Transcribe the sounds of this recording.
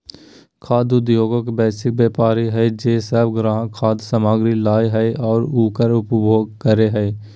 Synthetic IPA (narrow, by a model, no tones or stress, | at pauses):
kʰaːd̪ʊd̪joːɡokbɛːsɪk̚bjeːpaːɾiɦɛd͡ʒeːsəbɡɾãːɦkʰaːd̪səmaːɡɾilaːjɦɛʔɔːɾuːkəɾʊpbʱoːɡ̚kəɾeɦɛː